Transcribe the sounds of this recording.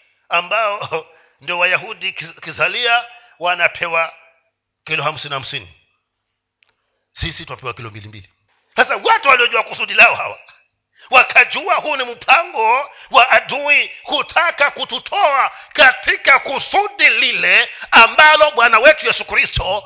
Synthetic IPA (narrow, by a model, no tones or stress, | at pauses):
ambaɔ | ndiɔwajahuɗikizalia | wanapʰɛwa | kɛlɔham̩siniham̩sinḭ | sisitwapɛwakilɔmbilimbḭli | sasawatuwaliɔʄuakusuɗilaɔhawa̰ | wakʰad͡ʒuahuːnim̩pʰaŋɡɔwaʔaduihutʰakakututʰɔakatʰikakusuɗililɛambalɔɓwanawɛtujɛsukɾistʰɔ